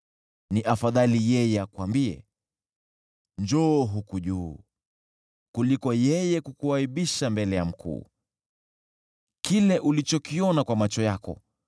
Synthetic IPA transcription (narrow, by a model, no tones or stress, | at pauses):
niʔafaðalijɛjɛakwambiɛ̰ | nd͡ʒɔɦukuʄuː | kulikɔjɛjɛkukuaiɓiʃambɛlɛjam̩kʰṵː | kilɛʔulit͡ʃɔkiɔnakwamat͡ʃɔjakɔ̰